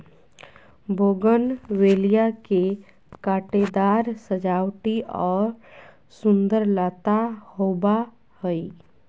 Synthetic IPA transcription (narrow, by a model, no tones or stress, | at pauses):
boːɡənweːlijake | kaːʈed̪aːɾsəd͡ʒaːwʈiʔɔːɾ | sʊ̃nd̪əɾlaːt̪ahoːba | həi